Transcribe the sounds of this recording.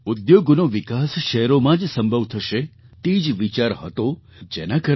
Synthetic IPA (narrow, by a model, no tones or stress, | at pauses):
ud̪joɡnoʋikasʃɛɦɾomãd͡ʒsəmbʱəʋt̪ʰəʃe | t̪id͡ʒʋit͡ʃaɾɦə̰t̪o | d͡ʒenakə